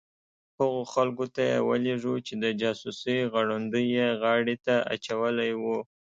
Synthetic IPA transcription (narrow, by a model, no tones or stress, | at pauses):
haɣoxalkot̪ajḛwə̰leʐut͡ʃed̪əd͡ʒɑsusiɣaɽand̪əjeɣɑɽit̪aa̰t͡ʃawəlajwu